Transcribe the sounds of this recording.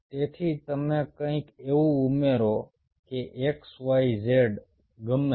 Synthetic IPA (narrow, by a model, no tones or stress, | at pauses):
t̪eːt̪ʰiːt̪əmẽːkəĩːkeːuʊmeːɾoː | keʔeːksʋaːizeːɖ | ɡəm